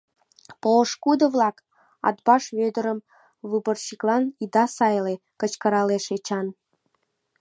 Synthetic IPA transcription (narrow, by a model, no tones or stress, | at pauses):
poʃkud̪ə̆vlɑk | ɑ̰t̪̚bɑʃβød̪əɾəm | βɨbərɕiklˠɑnid̪ɑsɑjle | kə̆t͡ɕkəɾɑleʃet͡ɕɑn